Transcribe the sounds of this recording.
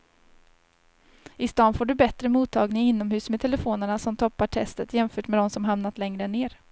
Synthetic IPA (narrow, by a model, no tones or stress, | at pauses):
ɪst̪ɑːnfoːɖɵbɛt̪ɾəmuːt̪ʰːɑːɡnɪŋɪnːɔmhʉ̟ːsmɛt̪ʰɛləfoːnəɳasɔmt̪ʰɔpːaʈʰɛst̪ət̪jɛmfœːʈmɛd̪ɔmsɔmɦamn̪at̪lɛŋɾəneːɾ